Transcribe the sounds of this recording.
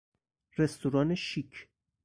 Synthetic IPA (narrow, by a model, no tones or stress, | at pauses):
rest̪ʰuɾɒːneʃikʰ